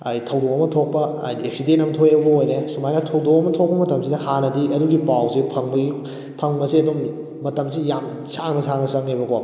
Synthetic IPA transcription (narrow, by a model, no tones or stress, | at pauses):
ajtʰɐwdoɐmɐtʰok̚pɐ | a̰jdieksidentɐmtʰojɐwbɐojnesumajnɐtʰɐwdokɐmɐtʰok̚pɐmɐtɐmsidɐhanɐdiʔɐduɡipawsipʰɐŋbɐɡi | pʰɐŋbɐsiɐdumː | ɐtɐmsijam | sʰaŋnɐsʰaŋnɐsɐŋebɐka